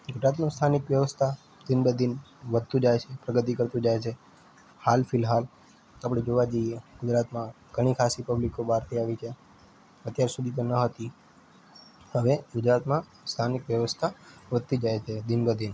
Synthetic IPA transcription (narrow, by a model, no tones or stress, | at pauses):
ɡʊd͡ʒɾat̪mãst̪ʰanɪkʋjəʋəst̪ʰa | d̪inbəd̪ʱinʋəd̪̚t̪ũd͡ʒajt͡ʃʰepɾəɡət̪ikəɾt̪ũd͡ʒajt͡ʃʰe | halfʰɪlɦal | apɽ̃ed͡ʒoʋad͡ʒəieɡ̥ʊd͡ʒɾat̪mã | ɡ̥ʱəɽ̃ikʰasipəblikobaɾt̪ʰiaʋit͡ʃʰe | ət̪jaɾsud̪ʱit̪enəɦət̪i | həʋeɡʊd͡ʒɾat̪mã | st̪ʰanɪkʋjəʋəst̪ʰaʋəd̪̚ʱt̪id͡ʒajt͡ʃʰed̪inbəd̪ʱin